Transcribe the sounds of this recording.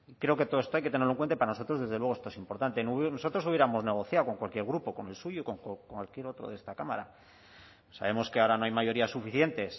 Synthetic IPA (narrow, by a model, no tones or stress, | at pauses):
ikɾe̞o̞ke̞t̪oðest̪oajket̪eneɾloeŋkwenepaɾanoso̞t̪ɾo̞zðe̞zðelwe̞ɣest̪oesimpo̞ɾt̪ant̪e̞nnoso̞t̪ɾo̞suβjeɾamo̞zne̞ɣ̞o̞θjaoko̞ŋkwalkje̞ɾɣ̞ɾupo̞ko̞ne̞lsuʝoko̞ŋkkwalkje̞ɾo̞t̪ɾo̰ðest̪akamaɾa | sa̰βe̞mo̞skeaoɾano̞ajmaʝo̞ɾiasːufiθje̞nt̪e̞s